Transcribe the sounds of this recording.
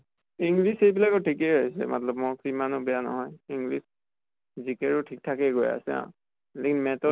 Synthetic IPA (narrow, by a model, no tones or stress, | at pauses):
iŋɡlisejbilakɔtʰikɛjɦojsɛ̰mʔa̰tlɔb̚mɔkimanubɛjanɔ̰ɦɔjiŋɡlis | zikɛɹʊtʰik̚tʰakɛɡoja̰sɛã̰ | lɛkinmɛtɔ